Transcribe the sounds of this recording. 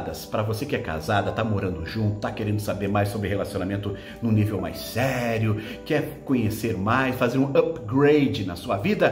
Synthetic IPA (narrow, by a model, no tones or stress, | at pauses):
d̪ɐspɾɐvosekɪɛka̰zad̪ɐt̪amoɾɐ̃nd̪ʊʒũnt̪ʊ̥t̪akeɾẽnd̪ʊsabeɾmajssobɾɪhelasionamẽnt̪ʊ | nũnivewma̰jssɛɾjʊ | kɪɛɾkõɲeseɾmajsfazeɾũɐpɡɾejd͡ʒɪnɐsuɐvid̪ɐ